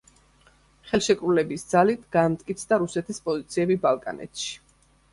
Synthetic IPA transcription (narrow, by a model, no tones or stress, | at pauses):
χɛlˠʃɛkʼɾulɛbisd̪z̥alit̪ʰɡ̥amt̪ʼkʼit̪sʰd̪aɾusɛt̪ʰispʼɔzit̪sʰiɛbibalˠkʼa̰nʔɛ̰t̪ʰʃi̥